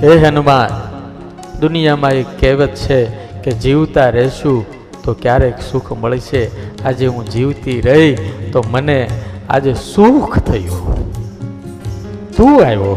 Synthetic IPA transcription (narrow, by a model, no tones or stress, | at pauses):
eɦənumãn | d̪ʊnijamãekkːɛʋət̪t͡ʃʰe | ked͡ʒiʋt̪aɾɛʃũ | t̪okjaɾeksukʰməɭʃead͡ʒeɦũd͡ʒiʋt̪iɾəɦit̪omənea̰d͡ʒesukʰt̪ʰəjũ | t̪ũajʋo